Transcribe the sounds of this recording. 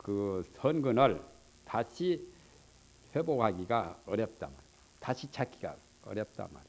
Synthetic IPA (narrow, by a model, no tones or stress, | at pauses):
kɯsʰʌnɡɯnʌɭ | taɕʰi | ɸeboɡaɡiɡaʌɾjʌp̚t͈a̰ma̰ɾi | taɕʰit͡ɕʰak͈iɡa̰ | ʌ̰ɾjʌp̚t͈a̰ma̰ɾi